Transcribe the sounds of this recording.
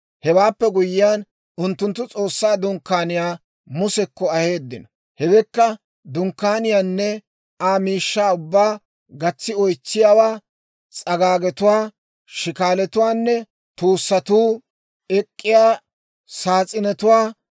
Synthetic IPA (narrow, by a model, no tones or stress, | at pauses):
hɛwaːpːɛɡʊjɪjaːn | ʊnt̪ːʊnt̪ːʊt͡sʼo̞ːsːaːd̪ʊŋkːaːnɪjaː | mʊsɛkːɔɐhe̞ːd̪ːɪnɔ | hɛwɛkːɐ | d̪ʊŋkːaːnɪjaːnːɛ | aːmiːʃːaːʊbːaː | ɡɐt͡sːɪɔjt͡sːɪjaːwaː | t͡sʼɐɡaːɡɛt̪ʊwaː | ʃɪkaːlɛt̪ʊwaːnːɛ | t̪uːsːɐt̪uː | ɛkʼːɪjaː | saːt͡sʼɪnɛt̪ʊwaː